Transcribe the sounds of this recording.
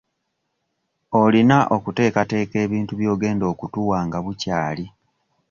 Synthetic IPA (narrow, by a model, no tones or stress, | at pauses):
o̞linaʔokute̞ːkate̞ːke̞ːβiːntuβjo̞ːɡe̞ːndo̞ːkutuwaːŋɡaβucaːli